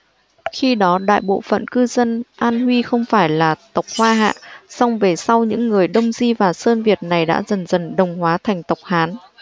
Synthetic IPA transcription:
xi˧ɗɔ˨˦ɗa̰ː˧˨jɓo̰˧˨fə̰˧˨nkɨ˧zə˧nʔaː˧nhwi˧xə˧wŋ͡mfaː˧˩jlaː˨˩t̪ə˨˩wk͡p̚hwaː˧ɦa̰ː˧˨sa˧wŋ͡mve˨˩sa˧wɲɨ̰˧˥ŋːɨ˨˩əjɗə˧wŋ͡mzi˧vaː˨˩səː˧nvi˨˩ət̚na˨˩jɗa̰ː˧˥zə˨˩nzə˨˩nɗə˨˩wŋ͡mhwaː˨˦t̪ʰɛ˨˩jŋ̟t̪ə˨˩wk͡p̚haː˨˦n

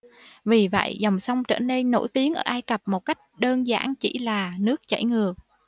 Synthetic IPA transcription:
vi˨˩və̰˧˨jzɔ˨˩wŋ͡msa˧wŋ͡mt͡ɕə̰ː˧˩ne˧nːo̰˧˥jt̪i˨˦əŋʔəː˧˩ʔaː˧jkə˨˩p̚mo˨˩t̚ka˦˥jk̟̚ɗəː˧nza̰ː˧˥nt͡ɕḭ˧˩laː˨˩nɨ˦˥ək̚t͡ɕa̰˧˩jŋɨ˨˩ək̚

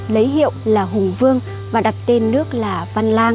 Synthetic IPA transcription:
lə˨˦jɦḭ˧˨əwlaː˨˩ɦʊ˨˩ŋ͡mvɨ˧əŋ | vaː˨˩ɗa˨˩t̚t̪e˧nːɨ˦˥ək̚laː˨˩va˧nlaː˧ŋ

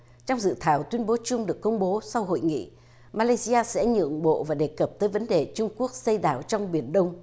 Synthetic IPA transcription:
t͡ɕɔ˧wŋ͡mzɨ̰˧˨t̪ʰaː˨˩wt̪wi˧ənɓo˨˦t͡ɕʊ˧ŋ͡mɗɨ˨˩əkːə˧wŋ͡mɓo˨˦sa˧wɦo̰˧˨jŋḭ˧˨ | maː˧laː˧jsi˧aː˧sɛ̰˧˥ɲɨ̰˧˨əŋɓo̰˧˨vaː˨˩ɗe˨˩kə˨˩p̚t̪əː˨˦jvə˨˦nɗe˨˩t͡ɕʊ˧ŋ͡mku˦˥ək̚sə˧jɗaː˧˩wt͡ɕɔ˧wŋ͡mɓi˧˩ənɗə˧wŋ͡m

